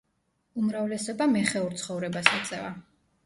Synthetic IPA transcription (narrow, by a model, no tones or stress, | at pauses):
umɾavlɛsɔbamɛχɛuɾt̪sʰχɔvɾɛbasat̪sʼɛ̰va